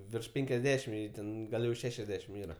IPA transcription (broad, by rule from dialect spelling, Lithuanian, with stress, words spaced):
ʋʲɪrʃ ˈpʲɛŋʲkʲɛzʲˌdʲæːʃʲɪm ˈjɛɪ ˈtʲɛn ˈɡɐlˠ jɛʊ ˈʃʲæːʃʲɛzʲˌdʲæːʃʲɪm ˈiːrɐ